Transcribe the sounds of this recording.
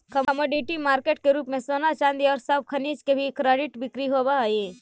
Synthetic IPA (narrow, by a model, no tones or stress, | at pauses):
kɐmoːɖiʈimaːɾkeʈ̚keɾuːpmẽsoːnat͡ʃãːnd̪iɔːɾsɐb̚kʰɐniːt͡ʃkebʱikɾeːɖɪʈbɪkɾiɦobaeː